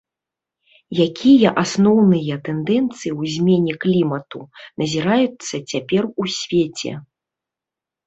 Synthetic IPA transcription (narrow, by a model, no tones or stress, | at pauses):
jakʲijɐʔasnɔwnɨjɐt̪ɛnd̪ɛnt̪sɨjiwzʲmʲenʲɛklʲimɐt̪unɐzʲiɾajut̪sːɐt͡sʲapʲɛrusʲvʲet͡sʲɛ̰